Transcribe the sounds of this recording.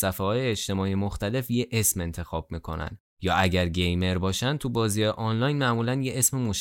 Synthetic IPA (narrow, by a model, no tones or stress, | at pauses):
sæfæhɒːjeːt͡ʃt̪e̞mɒːijemoxt̪æle̞fje̞ʔesme̞nt̪ʰe̞xɒːb̥̚miːkʰo̞̰næ̰nd̪ | jɒːʔæɟæɾɟe̞jme̞ɾbɒːʃænt̪ʰubɒːzijɒjeʔɒnlɒjnmæʔmuːlænje̞ʔesmemoʃ